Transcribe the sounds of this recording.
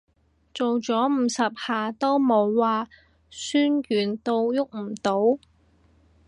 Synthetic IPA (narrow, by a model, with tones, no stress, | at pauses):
t͡so˨wt͡sɔː˨˥m̩ː˨˧sɐ˨p̚haː˨˩t̪o˥wmo˨˧˥wːaː˨˧ | syː˥njyː˨˩nt̪o˧wjʊ˥k̚m̩˨˩t̪o˨˥w